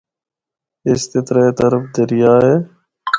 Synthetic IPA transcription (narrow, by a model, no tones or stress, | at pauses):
ɪst̪ɪt̪ɾaet̪əɾəfd̪əɾɪjaːɦeː